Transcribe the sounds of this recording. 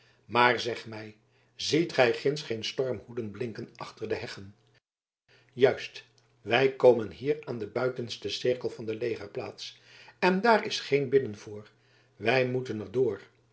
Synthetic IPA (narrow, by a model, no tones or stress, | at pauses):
maːɹzɛχmɛj | zitχɛjχɪnsχejnstɔɹmhudənblɪŋkənʔɑχtəɹdəɦɛχən | jœɥst | ʋɛjkowmənɦiːraːndəbœɥtənstəsɪrkəlˠvɑndəlejχəɹpla̰ːts | ɛndaːrɪsχejnbɪdənv̥ʊːɹ | ʋɛjmutənərdʊːr